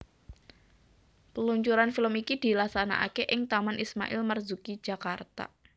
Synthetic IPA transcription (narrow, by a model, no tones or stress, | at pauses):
pəluɲt͡ʃuɾanfiləmikid̪̥i̤lahsana̰ʔa̰keʔɪŋt̪amanʔisma̰ʔɪlmərzuki̥d͡ʒ̥a̤kart̪a̰